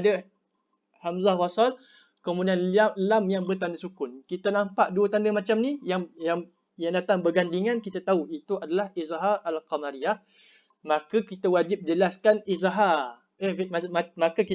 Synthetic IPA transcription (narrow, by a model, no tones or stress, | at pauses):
adə | hamzahwasal | kəmudianlamjaŋbərt̪andəsukʊnkit̪anampaʔduət̪andəmat͡ʃamnijaŋjaŋ | jaŋdat̪aŋbəɡandiŋankit̪at̪auit̪uadalahizaɦaʔalqamaɾiah | makəkit̪awad͡ʒɪp̚d͡ʒəlaskanizaɦa | əamakəki